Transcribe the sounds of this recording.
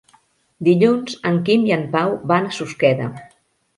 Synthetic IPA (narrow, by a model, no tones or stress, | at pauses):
d̪iʎunzəŋkimiəmpawbanəsuskɛðə̰